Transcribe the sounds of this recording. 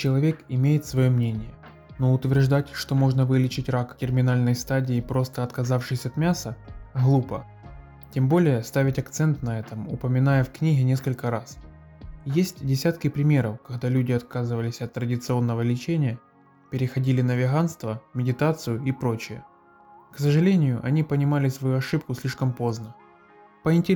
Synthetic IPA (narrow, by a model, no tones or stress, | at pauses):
t͡ɕɪlˠɐvʲe̞kɪmʲejɪt̪svɐjo̞mnʲenʲɪjə | no̞ʊt̪vʲɪrʐd̪atʲʂt̪o̞mo̞ʐnəvɨlʲɪt͡ɕɪtʲraktʲɪrmʲɪnalʲnəjst̪adʲɪːpɾo̞st̪əɐt̪kɐzafʂɨsʲɐt̪mʲasəɣlˠupə | tʲembo̞lʲɪjəst̪avʲɪtʲɐkt̪sɛnt̪nɐɛt̪əmʊpəmʲɪnajəfknʲiɣʲɪnʲe̞skəlʲkəɾas | jesʲtʲdʲɪsʲat̪kʲɪpɾʲɪmʲe̞ɾəfkɐɣd̪alʲʉdʲɪɐt̪̚kazɨvəlʲɪsʲɐt̪ːɾədʲɪt̪sɨo̞nːəvəlʲɪt͡ɕenʲɪjə | pʲɪɾʲɪxɐdʲilʲɪnəvʲɪɣanst̪vəmʲɪdʲɪt̪at̪sɨjʊɪpɾo̞t͡ɕɪjə̰ | ksəʐɨlʲenʲɪjʊʔɐnʲipənʲɪmalʲɪsvɐjuɐʂɨp̚kʊsʲlʲiʂkəmpo̞znə | pəɪnʲtʲɪ